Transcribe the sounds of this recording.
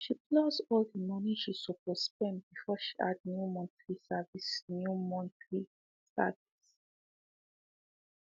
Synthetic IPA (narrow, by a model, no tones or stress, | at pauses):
ʃiplosdɔldimɔnitusupɔspɛ̃nbifɔʃi̥ʔadnjumɔ̃ntɹisavisnjumɔ̃ntɹi | sta̰dis